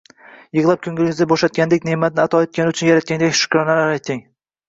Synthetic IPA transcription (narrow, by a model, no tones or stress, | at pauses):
jɨʁlˠap̚kʲʰʊŋɡʲɪlɪŋʲɪzʲaboʃat̪̚kʲand̪ekʲnemat̪̚nɪat̪ʰɒet̪̚kʲanɪʊt͡ʃʰʊnjaɾat̪̚kʲand̪akʲʃʊ̥kʲɾɒnalaɾajt̪ʰːɪŋ